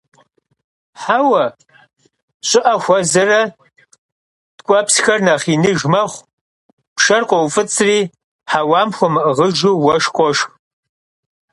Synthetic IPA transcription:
ħawɐ | ɕʼɪʔɐxʷɐzɐrɐ | d̥kʷʼɔpsxɐrnɐχiːnɨʒmɐχʷ | pʃɐrqʷʼɔwfɨt͡sʰʼriː | ħawɑːmxʷʊmʁəʒuwɐʂqʷʼɔʂx

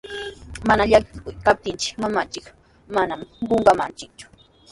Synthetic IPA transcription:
manaʎakɪkʊjkap̚t̪ɪnt͡ʃɪ̥kmamat͡ʃɪk | manamɢoɴɢɑma̰nt͡ʃɪk̚t͡ʃʊ̥

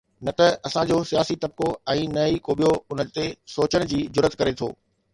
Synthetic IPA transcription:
nɐt̪ɐɐsãd͡ʑosijaːsit̪ɐb̚koɛ̃ːnɐikoːɓijoʊnət̪esoːt͡ɕəɽ̃̆d͡ʑiːd͡ʑʊɾət̪kɐɾet̪ʰo̰ː

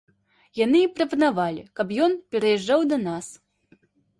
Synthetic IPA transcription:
janɨipɾɐpɐnavalʲikɐp̬jɔnpʲɛɾɐjɛʐːawd̪ɐnas

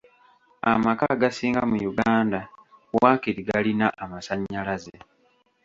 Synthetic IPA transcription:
amakaɡasiːŋɡamujuɡaːndawaːkiɾiɡalinaʔamasaɲːalaze

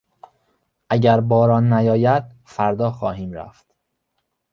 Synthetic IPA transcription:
ʔæɟæɾbɒːɾɒːnːæjɒːjæd̪̥̚ | fæɾd̪ɒːxɒːhiːmɾæ̰ːft̪

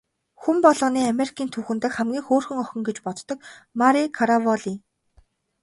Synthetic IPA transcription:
xumpɔɮɞ̆niːameɾikʰiːnt̪ʰuːxɘ̆nt̪ɘ̆kχæmɡʲiːŋxoːrxɵ̆ŋɔxʲɞ̆ŋɡet͡ɕpɔt̪t̪ːɞ̆k̚maɾikʰaɾavɔɮi

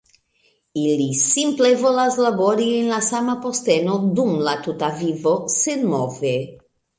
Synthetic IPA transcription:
ilisimple̞vo̞laslabo̞ɾienlasamapo̞ste̞no̞dumlatutavivo̞senmove

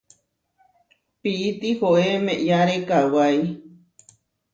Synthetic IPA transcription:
piʔːt̪ihoʔemeʔjaɾekawaj

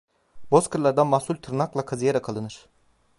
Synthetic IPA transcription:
bo̞skʰɯɾlˠaɾd̪anmahsˠulʲt̪ʰɯɾnaklˠakʰazijaɾakʰalˠɯnɯɾ̥

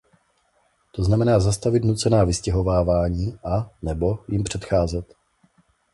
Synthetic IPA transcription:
t̪o̞znamɛnaːzast̪avɪt̪nut͡sɛnaːvɪscɛɦo̞vaːvaːɲiːʔanɛbo̞jɪmpr̝̥ɛt̪xaːzɛt̪

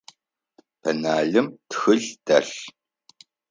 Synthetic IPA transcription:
pʰɐnaːɮɨmtxɨɮd̥ɐɬ

